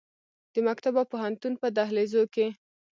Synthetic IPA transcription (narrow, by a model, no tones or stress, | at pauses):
d̪̥əmakt̪abawpoɦant̪unpəd̪aɦlezoke